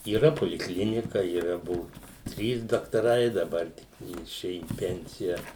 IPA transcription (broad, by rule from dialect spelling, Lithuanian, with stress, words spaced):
iːˈrɐ poːlʲɪkˈlʲɪnʲɪkɐ iːˈrɐ ˈbʊʋʊ ˈtʲrʲiːs dɐktɐˈrɐɪ dɐˈbɐr ˈtʲɪk ˈjɪ ɪˈʃʲeːjʊ iː ˈpʲɛnʲsʲɪjɛ